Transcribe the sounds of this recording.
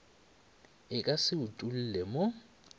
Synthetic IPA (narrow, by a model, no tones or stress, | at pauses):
ɪkʼasɪutʼul̩ːlɛmo